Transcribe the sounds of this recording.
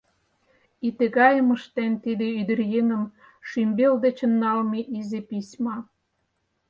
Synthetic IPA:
it̪ĕɣɑjə̆mə̆ʃt̪ent̪id̪eyd̪ə̆rjeŋə̆m | ʃymbeld̪et͡ɕə̆nːɑlmiʔizepisʲmɑ

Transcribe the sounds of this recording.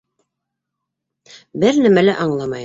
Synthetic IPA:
bɘɾnæmælæʔɑɴlˠɑmɑj

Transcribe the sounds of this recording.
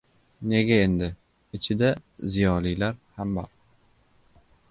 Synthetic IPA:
ne̞ɡʲae̞nd̪ɪ | ɪt͡ʃʰɪd̪azijɒlijlaɾhambɒɾ

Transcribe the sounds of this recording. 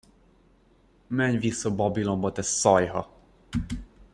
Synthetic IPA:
mɛɲvisːobɒbilo̞mbɒt̪ɛsːɒjɦɒ

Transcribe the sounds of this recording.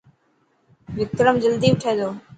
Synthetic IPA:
ʋɪk̚k̪əɾəmd͡ʑəld̪iːʋɪʈʰeːd̪oː

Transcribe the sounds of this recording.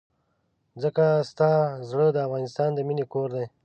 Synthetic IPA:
d͡zəkast̪ɑzɽəd̪əafɣɑnɪst̪ɑnd̪əminekoɾd̪aj

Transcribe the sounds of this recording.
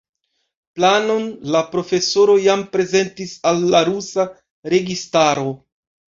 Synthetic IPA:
plano̞nlapɾo̞fe̞so̞ɾo̞jampɾe̞ze̞ntisalːaɾusa | ɾe̞ɡistaɾo̞

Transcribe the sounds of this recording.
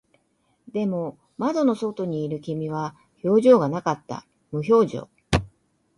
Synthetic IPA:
d̪e̞mo̞ | mad̪o̞no̞so̞t̪o̞ɲ̟iːɾɯ̟kʲimʲiβa | ço̞ːʑo̞ːɡanakat̪ːa̰ | mɯ̟ço̞ːʑo̞̰ː

